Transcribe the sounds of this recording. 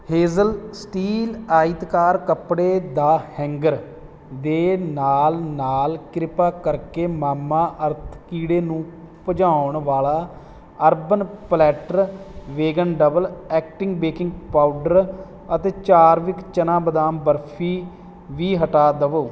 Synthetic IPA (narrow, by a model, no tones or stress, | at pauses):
heːzəlsʈiːlaːit̪kaːɾkəpɽeːd̪aːhɛ̃ːŋɡəɾ | d̪eːnaːlnaːlkɪɾɪpaːkəɾkeːmaːmãːʔəɾt̪ʰkiːɽeːnũː | pəd͡ʒãːʊɳʋaːlaː | əɾbənplɛːʈəɾʋeːɡənɖəbəlɛːk̚ʈɪ̃ŋɡbeːkɪŋɡpaːʊɖəɾ | ət̪eːt͡ʃaːɾʋɪkt͡ʃənãːbəd̪aːmbəɾpʰiː | ʋiːɦəʈaːd̪əʋoː